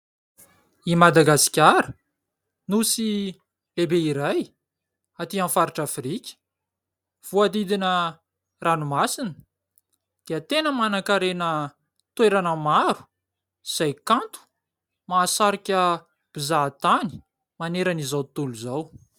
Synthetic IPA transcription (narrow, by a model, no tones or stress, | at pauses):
imad̪aɡasi̥kʲaɾə | nusi | lebeiɾaj | at̪iãnfaɾiʈ͡ʂafrikʲə̥ | v̥uad̪id̪inə | ranumasinə̥ | d̪̥iət̪enəmanakaɾenə | t̪weɾanəmaɾu̥ | z̥ajkãnt̪u̥ | maːsaɾikʲə | b̥izat̪ani̥ | maneɾənizawt̪uluzaw